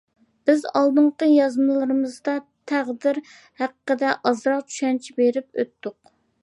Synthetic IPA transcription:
b̥ɪzɑlˠd̪ɨɴqəjɑzmɨlˠlˠɨɾɨmɨzd̪ɑt̪ʰæʁd̪ɪɾ | hæqəqːəd̪ɛʔɑzɾɑqt͡ʃʰy̥ʃɛnt͡ʃʰibeɾɪp̚ø̰t̪ːʊq̚

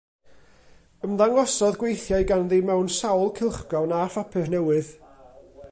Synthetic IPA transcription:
əmðaŋɔsɔðɡwejθjaɨɡanðiːmɛwnsawlˠkʰɪlˠχbɔwnafapʰɨrnɛwɨð

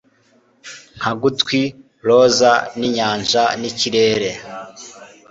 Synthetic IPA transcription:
ŋ̥haɡutkwi | ɾozaniɲaːɲʒaniciɾeːɾe

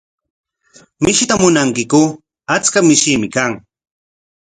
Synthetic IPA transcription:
mɪʃɪt̪amʊnaŋkɪkʊ | at͡skamɪʃimɪkaŋ

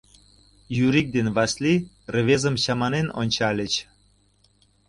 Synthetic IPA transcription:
jyɾik̚d̪envɑsli | rə̆βezəmɕɑmɑneno̰nʲt͡ɕɑlʲət͡ɕ

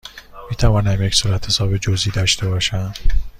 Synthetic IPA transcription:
miːt̪ʰævɒːnæmjecsuɾæt̪hesɒːbed͡ʒoziːd̪ɒʃt̪ʰebɒːʃæm

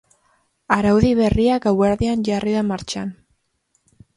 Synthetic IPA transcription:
aɾawðiβe̞riakaweɾðianʝariðamaɾt͡ʃan

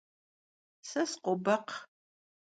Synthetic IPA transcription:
sɐsqʷɔbɐq

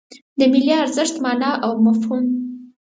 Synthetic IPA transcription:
d̪əmɪliaɾzəʂt̪mɑnɑʔawmafhum

